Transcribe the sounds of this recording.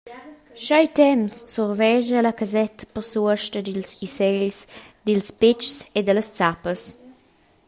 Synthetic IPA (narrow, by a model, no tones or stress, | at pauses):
ʃajt̪ɛmsːɔrvɛʒəlakazɛt̪ʰə̥pərsuəʃtəd̪ilsisɛʎsd̪ilspɪt͡ʃsed̪ələst͡sapəs